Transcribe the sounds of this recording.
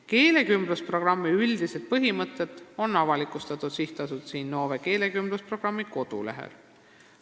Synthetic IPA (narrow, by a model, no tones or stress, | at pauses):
ke̞ːle̞kymbluspro̞ɡ̥rɑmːiyld̪ise̞d̪̥̚pɤɦimɤt̪ˑːe̞t̪ːˑo̞nːɑvɑlikˑust̪ɑt̪ːˑud̪̥siht̪ɑsut̪siːnːo̞ːve̞ke̞ːle̞kymbluspro̞ɡ̥rɑmːiko̞d̪̥ṵlḛɦḛl